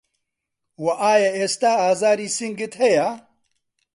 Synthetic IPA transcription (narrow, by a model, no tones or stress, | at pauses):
wɐʔaːjɐeːst̪aːaːzaːɾiːsiŋɡɨt̪hɛja